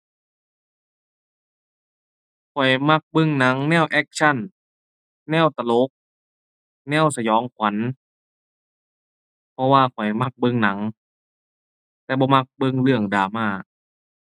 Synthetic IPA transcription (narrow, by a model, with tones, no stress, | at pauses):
kʰɔ˨˩jma˧˩k̚bɤ˧˩˨ŋna˨˦ŋnɛː˧˥˨wʔɛ˧k̚sʰa˧˥˨nː | ɛː˧˥˨wt̪a˧lo˧˦k̚ | nɛː˧˥˩wsa˧jɔː˨˦ŋkʰwa˨˦n | pʰɔ˧waː˧˨kʰɔ˨˩jma˧˩k̚bɤ˧˨ŋna˨˩˦ŋ | t̪ɛː˧bɔː˧ma˧k̚bɤ˧˨ŋlɯ˧˩əŋdaː˨˩˦maː˧˩